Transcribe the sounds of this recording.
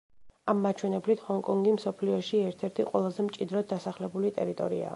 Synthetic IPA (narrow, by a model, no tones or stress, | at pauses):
amːat͡ʃʰwɛnɛblit̪ʰhɔŋkʼɔŋɡimsɔpʰliɔʃiɛɾt̪ʰɛɾt̪ʰiqʼwɛlˠazɛmt͡ʃʼid̪ɾɔd̪asaχlɛbulit̪ʼɛ̰ɾit̪ʼɔɾḭa̰